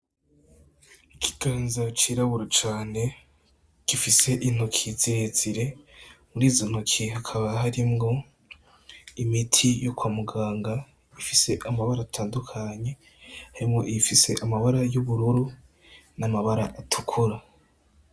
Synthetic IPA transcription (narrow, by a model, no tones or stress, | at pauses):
ikʰi̥ɡ̥aːnzat͡ʃiɾaβuɾot͡ʃaːne̞ | ɡ̥ifise̞ʔin̥hokʰizeziɾe̞muɾiːzon̥okʰihakʰaβaɦaɾimŋo̞ | imitʰijokwaːmuɡaːŋɡa | ifise̞ʔamaβaɾaːtʰaːndukʰaɲe̞ | haɾimŋo̞ʔifise̞ʔamaβaɾajuβuɾuɾu | namaβaɾa̰ʔatʰukʰuɾa